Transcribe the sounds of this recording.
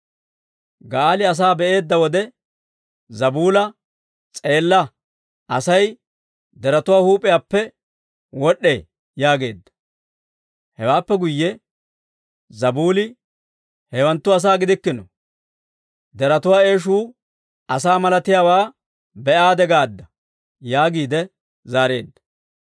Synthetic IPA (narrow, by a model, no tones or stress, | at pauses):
ɡaːlɪɐs̬aːbɛʔe̞ːd̪ːɐwɔd̪ɛ | zɐbuːlɐ | t͡sʼe̞ːlːɐ | ʔɐsɐj | d̪ɛɾɐt̪ʊwaːhuːpʼːɪjaːpːɛ | wɔɗːḛː | jaːɡe̞̰ːd̪ːɐ̥ | hɛwaːpːɛɡʊjːɛ | zɐbuːlɪ | hɛwɐnt̪ːʊɐs̬aːɡɪd̪ɪkːɪnɔ | d̪ɛɾɐt̪ʊwaːe̞ːʃ̬uː | ɐsaːmɐlɐt̪ɪjaːwaː | bɛʔaːd̪ɛɡaːd̪ːɐ | jaːɡiːd̪ɛ | zaːɾe̞̰ːd̪ːɐ̥